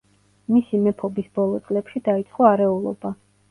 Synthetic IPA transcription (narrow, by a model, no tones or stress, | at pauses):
misimɛpʰɔbisbɔlˠɔt̪sʼlɛpʃid̪ait̪sʼqʼɔaɾɛulˠɔ̰ba